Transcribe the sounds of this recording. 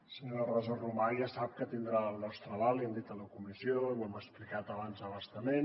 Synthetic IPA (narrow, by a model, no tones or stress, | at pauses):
səɲoɾərɔzərumaʒasap̚kət̪ind̪ɾaəlˠnɔst̪ɾəβalˠiɛnd̪it̪ələkumizioiwɛməksplikat̪əβanzəβəst̪əmen